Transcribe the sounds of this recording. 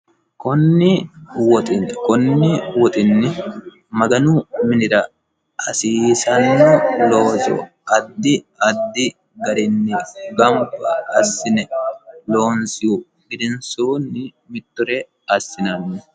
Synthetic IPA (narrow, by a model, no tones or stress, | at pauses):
kɔnːɪwɔt̪ɪkɔnːɪwɔt̪ʼɪnːɪ | mɐɡɐnumɪnɪɾɐ | ɐsiːsɐnːɔloːzɔ̰ | ɐd̪ːɪ | ɐd̪ːɪ | ɡɐɾɪnːɪɡɐmbɐɐsːɪnɛlo̞ːnsɪjʊ | ɪd̪ɪnsuːnːɪ | mɪt̪ːʊɾɛ | ɐsːɪnɐnːɛ